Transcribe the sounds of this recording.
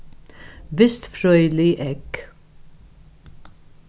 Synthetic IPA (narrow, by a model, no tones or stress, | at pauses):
ʋɪst̪fɾœʏlɪʔɛk